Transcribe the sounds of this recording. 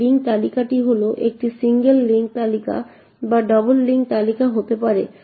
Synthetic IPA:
iŋk̚t̪alikaʈiɦoloʔek̚ʈisiŋɡelːiŋk̚t̪alika̰ | baɖɔbolːiŋk̚t̪alikaɦot̪epaɾḛ

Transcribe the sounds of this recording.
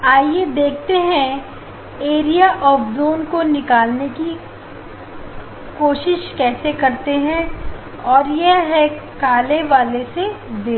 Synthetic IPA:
aːjed̪eːkʰt̪eɦɛ̃ | eːɾijaʔɔːfzoːnkonɪkaːlneki | koːʃɪʃkɛːsekɐɾt̪eɦɛ̃ | ɔːɾjeɦɛ̃ | kaːleʋaːlesed̪eː

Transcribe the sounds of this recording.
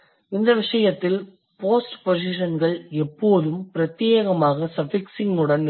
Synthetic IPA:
ɪnd̪ɐʋɪʂɐjɐt̪ːɪl | poːsʈpos̬ɪʂɐnɡɐɭɛpːoːðɯmpɪɾɐt̪jeːɣɐmaːɣɐsɐfɪksɪŋɡʊɽɐn

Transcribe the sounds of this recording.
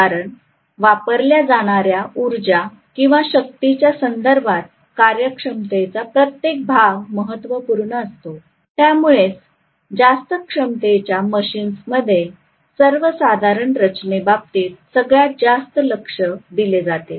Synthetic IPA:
aɾəɳ | ʋapəɾljad͡zaɽ̃aɾjauɾd͡ʑa | kĩw̃ʋaɕək̚t̪it͡ɕjasənd̪əɾbʱat̪̚ | kaɾjəkʂəmt̪et͡sapɾət̪jek̚bʱaʋməɦət̪ːʋəpuɾɳəəst̪o | t̪jamuɭet͡s | d͡zast̪əkʂəmt̪et͡ɕjaməɕiːnsməd̪ʱːje | səɾʋəsad̪ʱaɾəɳɾət͡ɕnebap̚t̪iːt̪səɡɭjat̪̚d͡zast̪ələkʂəd̪iled͡zat̪e

